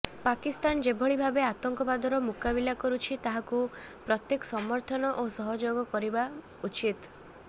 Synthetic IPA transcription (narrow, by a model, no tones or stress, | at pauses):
pakist̪and͡ʒebʱɔɭibʱabeat̪ɔŋkɔbad̪ʱɔɾɔmukabilakɔɾut͡ʃʰit̪aɦakupɾɔt̪jekɔ̥sɔmɔɾt̪ʰɔnɔʔosɔɦɔd͡ʒoɡɔkɔɾiba | ut͡ʃit̪